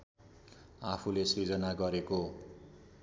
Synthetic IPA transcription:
apʰulesrid͡zʌnaɡʌɾeko

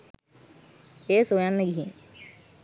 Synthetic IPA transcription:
eːsojanːeɡiɦḭ

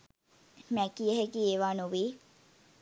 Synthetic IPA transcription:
mækiəɦekiːeːʋaːnuʋiː

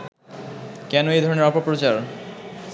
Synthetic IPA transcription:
kɛnoejd̪ʱɔɾoneɾɔpapɾot͡ɕaɾ

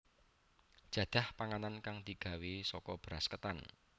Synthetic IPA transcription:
d̥ʒ̥ä̤d̪̥a̤hpaŋanankaŋd̪̥i̤ɡ̥a̤wesɔkɔb̥ɾaskət̪an

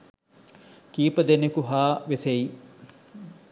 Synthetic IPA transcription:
kiːpəd̪enekuɦaːʋesei

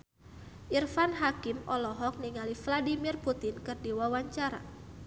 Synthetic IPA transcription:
ʔirfanɦakɪmɔlɔɦɔk̚niŋalifladimirput̪ɪnkɨrdiwawaɲt͡ʃaɾa̰

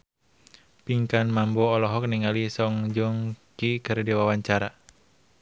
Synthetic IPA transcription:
piŋkanmambɔːlɔɦɔk̚niŋalisɔŋd͡ʒɔŋkikɨrdiwawaɲt͡ʃaɾa

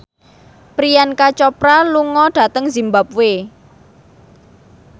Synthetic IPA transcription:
pɾijankat͡ʃɔpɾaluŋɔɖ̥a̤t̪əŋzimbap̚we

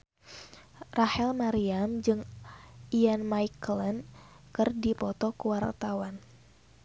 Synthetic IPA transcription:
rahɛlmaɾiamd͡ʒɨŋ | ianmaiklɛn | kɨrdipɔt̪ɔkəwart̪awan

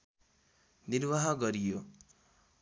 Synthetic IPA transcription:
niɾwaɦʌɡʌɾijo

